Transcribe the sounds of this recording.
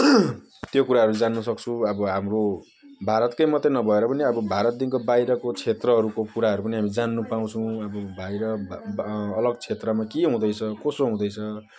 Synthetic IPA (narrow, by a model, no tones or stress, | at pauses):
t̪jokuɾaɦʌɾud͡zanːusʌkt͡sʰuʌbʌɦamro | bʱaɾʌt̪kʌjmʌt̪ːenʌbʱʌeɾʌpʌniʌbʌbʱaɾʌt̪̚d̪inkobajɾʌkot͡sʰet̪rʌɦʌɾukokuɾaɦʌɾupʌniɦamid͡zanːupaw̃t͡sʰʌw̃ʌbʌbʱajɾʌː | lʌɡt͡sʰet̪rʌmakiɦũd̪ʌjt͡sʰʌkosoɦũd̪ʌjt͡sʰʌ